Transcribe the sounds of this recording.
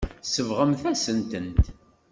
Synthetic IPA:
səvʁəmθæsənt̪ənt̪

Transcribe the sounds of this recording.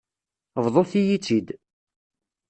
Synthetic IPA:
vðˤoθijit͡sːid̪

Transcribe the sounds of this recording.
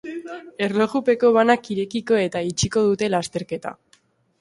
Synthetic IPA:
e̞ɾlo̞ɣupe̞ko̞β̞anakiɾe̞kiko̞e̞t̪ait͡ʃiko̞ð̞ut̪e̞last̪e̞ɾke̞t̪a̰

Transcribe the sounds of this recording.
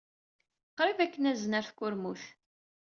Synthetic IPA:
qɾivækːənæznəɾθkːʊɾmuθ

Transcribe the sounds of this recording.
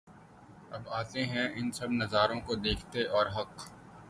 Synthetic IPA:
ɐbaːt̪eɦɛ̃ɪnsɐbnɐzaːɾõkod̪eːkʰt̪eʔɔːɾɦɐq

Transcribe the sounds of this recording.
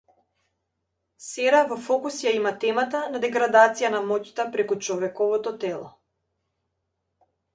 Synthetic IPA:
sɛɾavɔfɔkusjaimat̪ɛmat̪anad̪ɛɡɾad̪at̪sijanamɔcʲt̪apɾɛkut͡ʃɔvɛkɔvɔt̪ɔt̪ɛlˠɔ̰

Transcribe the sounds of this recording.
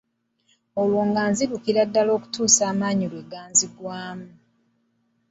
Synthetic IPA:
olwoːŋɡaːnziɾukiɾadːalo̞ːku̥tuːsaːmaːɲilweɡaːnziɡwaːmu

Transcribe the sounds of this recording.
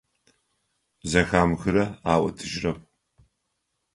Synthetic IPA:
zɐxaːmxɨɾɐaːwɐ̰tʰɨʒrɐp̚ʰʼ

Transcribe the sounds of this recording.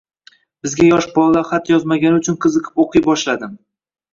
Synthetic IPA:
bɪzɡʲajɒʃbɒlˠːaχat̪jɒzmaɡʲanɪʊt͡ʃʰʊnqʰɨzɨqʰɪ̥poqʰɨjbɒʃlad̪ɪm

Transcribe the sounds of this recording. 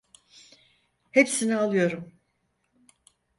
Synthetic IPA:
he̞psinialˠɯjo̞ɾum

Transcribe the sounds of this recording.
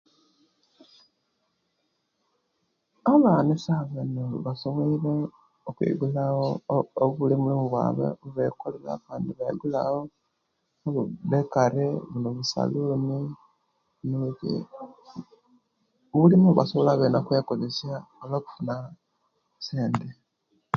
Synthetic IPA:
aβanisaβenoβasomeiɾe | okwḭɡulaooβulimulimuβwa̰βḛβuβekolela̰kaːndiβaiɡulao | oβuβekaɾeβunoβusa̰luni | nuukḭ | βulimuuβa̰soβolaβeːnakweːkozesiaoloːku̥funa | seːnde

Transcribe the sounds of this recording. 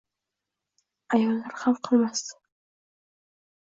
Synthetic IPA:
ajɒlːaɾχamqʰɨlˠmas

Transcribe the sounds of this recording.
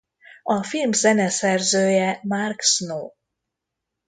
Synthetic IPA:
ɒfilmzɛnɛsɛrzøːjɛmarksnoː

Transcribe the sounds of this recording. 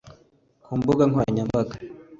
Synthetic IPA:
kʰumbuɡaŋkwaɲambakḁ

